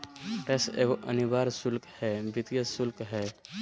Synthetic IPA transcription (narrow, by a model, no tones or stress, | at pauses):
pɾesḛːɡoʔə̰nibaːɾsʊlkhɛbɪt̪ijəsʊlkɦɛː